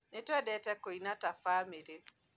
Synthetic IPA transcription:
netɛdɛtɛkːoinatafameɾet

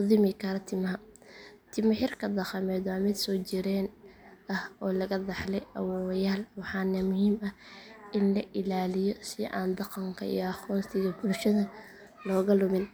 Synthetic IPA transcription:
ʊðɪmɪkʰɐɾɐt̪ʰɪmɐɦɐ | t̪ʰɪmɪħɪrkʰɐd̪ɑqɑmɛːd̪aːmɪd̪sɔːt͡ʃɪɾɛːnɐhɔːlɐɣɐd̪ɑħlɛjʔɐ̰wwjaːlwɑħɑːnɐmʊhiːmɐhʔɪnlɐʔɪlaːlɪjɔsɪʔa̰ːnd̪ɑqɐŋkʰɐ̰ḭjɔɑχɔːnt̪ʰɪɣɐbʊlʃɐðɐ | lɔːɣɐlʊmɪn

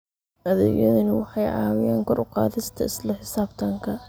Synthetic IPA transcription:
ʔɐð̰jɐðɐnɪwɑħɑjʕɑ̰ːwɪjaːŋkʰɔɾʊqɑ̰ːðɪst̪ʰɐɪslɐħɪsaːbt̪ʰaːŋkʰɐ

